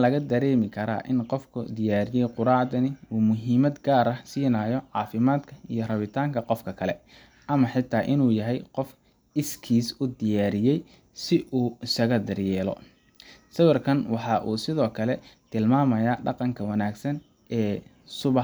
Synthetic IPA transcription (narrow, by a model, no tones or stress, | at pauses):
lɐɣɐd̪ɐɾɛːmɪkʰɐɾa̰ːʔɪnqɔfkʰʊ̰d̪ɪjaːɾɪjɛjqʊɾɑːʕd̪ɐnɪuːmʊɦiːmɐd̪ɡaːɾɐsiːnaːjɔʕɑ̰ːfɪmaːd̪kʰɐijɞrɐβɪt̪ʰaːŋkʰɐqɔfkʰɐkʰɐlɛ̰ | ʔɐmɐħɪt̪ʰːaːʔɪnuːjɐɦɛjqɔf | ɪskʰiːsʊd̪ɪjaːɾɪjɛj | sɪʔuːɪsɐɣɐd̪ɐrjɛːlɔ̰ | sɐwɐrkʰɐnwɑħɑʔuːsɪðɔːkʰɐlɛt̪ʰɪlmaːmɐjaːɖɑqɑŋkʰɐwɐnaːɡsɐn | ʔɛː | sʊβɑ